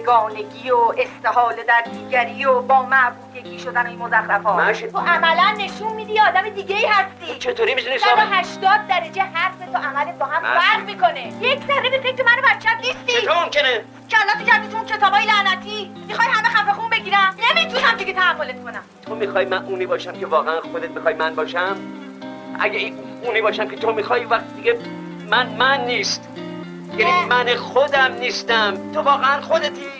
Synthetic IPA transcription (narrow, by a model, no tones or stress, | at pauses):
eɡɒːneɡʲiːoest̪eɦɒːled̪æɾd̪iːɡæɾiːobɒːmæʔbuːd̪e̞ɡʲiːʃod̪ænoinmozæxɾæfɒːt̪ʰoʔæmælænːe̞ʃunmiːd̪ijeɒːd̪æmed̪iːɡeiːhæst̪iːt͡ʃʰet̪ʰoːɾimid̪unislɔɦæʃt̪ɒːd̪̚ːæɾed͡ʒeɦæɾfet̪ʰoʔæmælet̪̚bɒːɦæmfæɾʁmiːkone̞jekʰsæɾːebefe̞cʰɾemæno̞bæt̪t͡ʃʰːæbnist̪iomomkene | cʰeælːɒːt̪ocæɾd̪it̪ʰuuncʰe̞t̪ɒːbɒːjelæʔnæt̪ʰiː | mixɒːjɦæmexæfexunbeɡiːɾænemit̪uhæmd̪iɡet̪ʰæɦæmːolet̪kʰonæmt̪ʰomixɒːjmænʔuːniːbɒːʃæmkʲʰevɒːɣeænxod̪et̪̚mixɒːjmænbɒːʃæm | ʔæ̰ɡein | uːniːbɒːʃæmkʲʰet̪ʰomixɒːjuvæxt̪id̪iɡe | mænmænːiːst̪ | jæimænexod̪æmniːst̪æmt̪ʰovɒːɣeænχod̪et̪ʰi